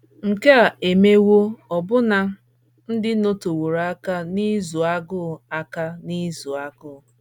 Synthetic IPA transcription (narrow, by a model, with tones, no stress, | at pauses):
ŋ̩˨ke˦a˨e˨me˦wo˦ɔ˨bʊ˦na˦ | n̩˦dɪ˦no˦to˨wo˨ɾa˦ka˦ni˦zu˨a˦ɡʊ˦˨a˨ka˦ni˦zu˨a˦ɡʊ˦˨